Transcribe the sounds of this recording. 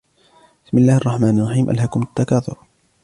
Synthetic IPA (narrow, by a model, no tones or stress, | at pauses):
bɪ̥smɪlːaːhʔɑrˤːɑħmaːnɑrˤːɑħiːmʔa̰lɦhakʊmat̪ːakaːt̪ʊ̰ɾ